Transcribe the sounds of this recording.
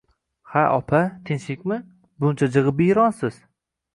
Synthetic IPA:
haʔɒ̰pʰat̪ʰɪnʃɪkʲmɪ | bʊnt͡ʃʰad͡ʒɨʁɨpɪjɾɒnsɪz̥

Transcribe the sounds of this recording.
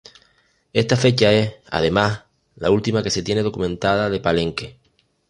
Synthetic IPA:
e̞st̪afe̞t͡ʃae̞ha̰ð̞e̞mas | la̰ult̪imake̞se̞t̪je̞neð̞o̞kumẽ̞nt̪að̞aðe̞palẽ̞ŋke̞

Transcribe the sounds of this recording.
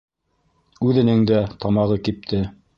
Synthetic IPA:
ʉðɘ̆nɘŋd̪æt̪ɑmɑʁɤkip̚t̪ʰɘ

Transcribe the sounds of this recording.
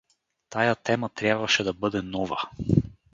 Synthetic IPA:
t̪ajat̪ɛmat̪ɾʲjabvaʃɛd̪abɤd̪ɛnɔva̰

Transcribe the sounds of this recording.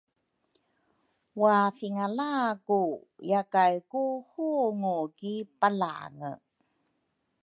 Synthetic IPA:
wafiŋalaku | jakajkuhuŋukipala̰ŋə̰

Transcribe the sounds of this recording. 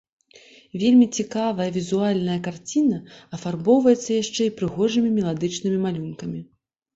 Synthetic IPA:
vʲelʲmʲit͡sʲikavɐjɐvʲizualʲnɐjɐkart͡sʲinɐɐfarbɔwvɐjɛt̪sːɐjaʂt͡ʂɛipɾɨɣɔʐɨmʲimʲɛlˠad̪ɨt͡ʂn̪ɨmʲimalʲunkɐmʲi

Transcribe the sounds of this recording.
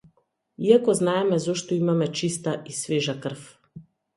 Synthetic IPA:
iakɔznaɛmɛzɔʃt̪ɔimamɛt͡ʃist̪aʔisvɛʒakr̩f

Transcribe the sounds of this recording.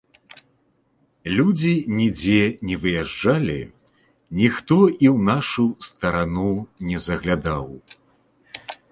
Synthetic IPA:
lʲud͡zʲinʲid͡zʲɛnʲɛvɨjaʐd͡ʐalʲḭ | nʲixt̪ɔʔiwnaʂust̪ɐɾanunʲɛzɐɣlʲad̪aw

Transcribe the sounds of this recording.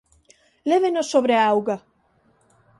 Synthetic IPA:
leβenosːoβɾeaawɣa

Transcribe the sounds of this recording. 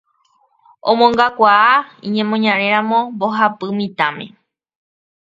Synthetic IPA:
õ̰mõŋɡakʷaaiɲẽ̞mõɲãɾeɾãmõmboɦapɨmĩt̪ãmḛ̃

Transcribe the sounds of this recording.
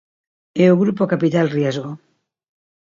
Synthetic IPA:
euɣɾupokapit̪alrjezɣo

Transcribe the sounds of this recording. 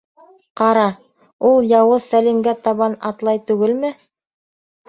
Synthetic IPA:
qɑɾɑ | ulˠjɑwɤsælimɡæt̪ɑβɑnɑ̰t̪lˠɑjt̪ʉɡɘlmɘ

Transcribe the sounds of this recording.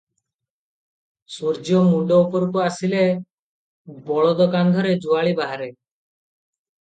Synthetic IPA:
suɾd͡ʒiɔmuɖɔupɔɾukuasile | bɔɭɔd̪ɔkand̪ʱɔɾed͡ʒuaɭibaɦaɾe

